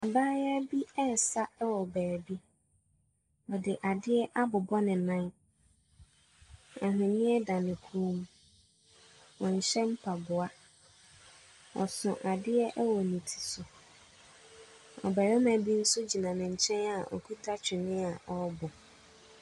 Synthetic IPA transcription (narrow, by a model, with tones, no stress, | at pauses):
a˨baː˦ja˦bi˦ɛ˦˨sa˦ɛ˦wɔ˨bæː˨ɾbi˦ | ɔ˨dɪ˨ʔa˨dɪ˦ɛ˦ʔa˦bʊ˨bɔ˦nɪ̃˨nã˦n | a˨ɦɪ̃˨nɪ̃˦ɛ˦dã˨nɪ̃˨kʰu˦u˦m˦ | wɔ̃˨ɲ̩˨ɕɛ̃˦m̩˦pʰa˨bʊ˨a˦ | wɔ̰˨sʊ̃˨ʔa˨dɪ˦ɛ˦ʔɛ˦wɔ˨nĩ˨tʰi̥˨sʊ˨ | ɔ̰˨bæ˨ɾɛ˦mã˨bi˦n̩˦sʊ˦d͡ʑi˨nã˨nɪ̃˨ɲ̩˨t͡ɕʰɛ̃˦na˨ʔɔ̰˨kʰu˦tʰa˦t͡ɕʰᶣɪ˨nɪ̃˦a˨ʔɔ˨˦bʊ˨